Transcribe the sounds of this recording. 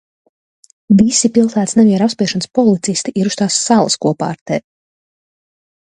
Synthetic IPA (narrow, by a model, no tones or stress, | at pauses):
visipilˠsæːt̪snɛviɛɾapspʲiɛʃɔnspɔlˠit̪sist̪iʔiɾust̪aːsːalˠɐ̰skuɔpa̰ːɾt̪ɛː